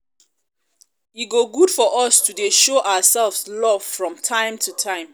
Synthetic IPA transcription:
iɡoɡudfɔʔɔstʰudeʃoʔaʊəsɛlvslɔv̥fɹɔ̃mtʰãɪ̃mtʰutʰãɪ̃m

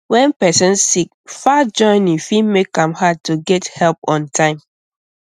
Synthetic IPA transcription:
wɛ̃npɛsɔ̃nssik̚ | fad͡ʒɔ̃ɪ̃nĩfimekãmhad̚tːuɡɛthɛlp̚ɔ̃ntʰãɪ̃m

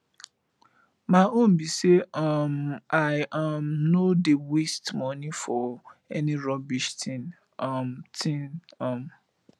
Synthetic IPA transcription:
maonbiseamaɪamnodewestmɔnifɔɛniɹɔbiʃtʰĩn | mtʰĩnam

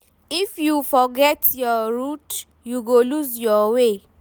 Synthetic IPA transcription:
ifjufɔɡɛtjɔɾut | juɡoluzjɔwe

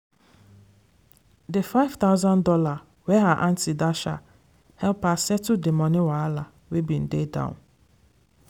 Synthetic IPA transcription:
defaɪv̥t̪aʊzãndɔla | wɛɦaʔãntidaʃa̰ | hɛlpasɛtudemɔ̃niwaala | webĩn̩dedã̰ʊ̰̃n

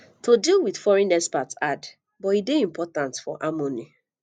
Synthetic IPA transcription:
tʰodilwidfɔɹɛ̃nɛspatad | bɔideĩmpʰɔtãntfɔ̰ʔamoni

